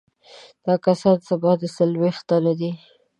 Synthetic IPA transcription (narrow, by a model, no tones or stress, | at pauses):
d̪̥ɑkasɑsabɑd̪əsalwext̪ːalad̪i